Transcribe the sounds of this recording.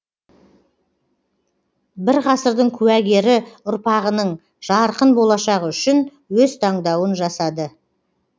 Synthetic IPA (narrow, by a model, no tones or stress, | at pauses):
bɪɾʁɑsəɾd̪əɴkʲʰʉæɡʲe̞ɾɪʊɾpɑʁənəɴ | ʒ̥ɑɾqənbo̞lˠɑʃɑʁəʏʃɪn | wɵzt̪ʰɑɴd̪ɑwənʒɑsɑd̪ə